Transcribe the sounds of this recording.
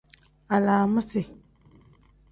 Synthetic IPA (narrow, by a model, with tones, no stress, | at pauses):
a˨laː˨mu˦se˨